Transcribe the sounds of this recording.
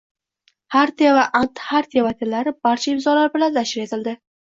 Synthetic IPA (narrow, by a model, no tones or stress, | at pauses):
haɾt̪iavaʔant̪haɾt̪ijavat̪ʰellaɾɪb̥aɾt͡ʃʰaɪmzɒlaɾbɪlanzaʃɪɾe̞t̪ʰɪld̪ɪ